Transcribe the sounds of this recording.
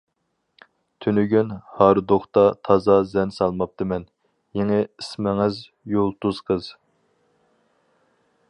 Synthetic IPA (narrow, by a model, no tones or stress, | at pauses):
t̪ʰynyɡʲynhɑɾɨd̪oχt̪ɑt̪ʰɑzɑzɛnsɑlˠmɑp̚t̪ɨmɛn | jeŋɪismɪŋɪz | jolˠt̪uz̥qʰəz̥